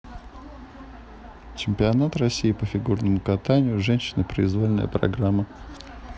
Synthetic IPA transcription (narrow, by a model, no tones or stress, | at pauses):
t͡ɕɪmʲpʲɪɐnat̪rɐsʲːijɪpəfʲɪɡurnəmʊkɐt̪anʲɪjʊʐɛnʲɕːɪnəpɾəɪzvolʲnə̰jə̰pɾɐ̰ɡɾamːə